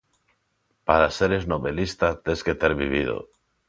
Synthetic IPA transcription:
paɾaseɾe̞zno̞βe̞list̪at̪esket̪eɾβiβ̞ið̞o̰

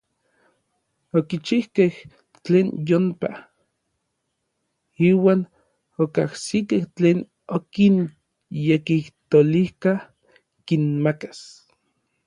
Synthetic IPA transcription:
okit͡ʃihkeh | t͡ɬeːnjompa | iːwaːn | okahsikeht͡ɬeːn | okin | jekiht̪olihka | kinmakḁs

